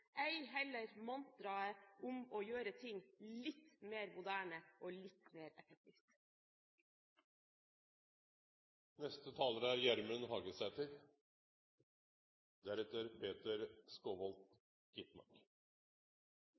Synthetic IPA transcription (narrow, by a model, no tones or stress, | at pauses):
ʔæɪhɛləɾmɑnt̪̚d̪ɾɑəʔʊmoːjøːɾət̪ʰɪŋlɪt̪meːɾmʊd̪æːɳəʔoːlɪt̪meːɾɛfɛk̚t̪ʰɪːft̪ | nɛst̪ət̪ʰɑːləɾəæɾjæɾmʉnhɑːɡəsæːt̪ʰɪɾ | d̪æɾɛt̪əɾpʰeːt̪əɾskoːʋɔlt̪ | ɡ̥ɪt̪mɑ̰ɾk